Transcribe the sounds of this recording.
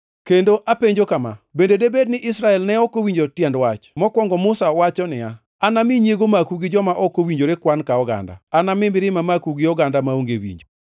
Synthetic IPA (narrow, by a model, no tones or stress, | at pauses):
kendoʔapeɲd͡ʒokama̰bendedebed̚nɪʔɪsɾaɛlnɛɔkowiɲd͡ʒotjɛndwat͡ʃmɔkwɔŋɡɔmʊsaɔwat͡ʃɔnɪja | anamɪɲjeɡomakuɡɪd͡ʒɔmaʔɔkowiɲd͡ʒoɾekwankaɔɡa̰nda̰ːnamɪmɪɾɪmamakuɡɪɔɡandamaoŋɡewḭɲd͡ʒo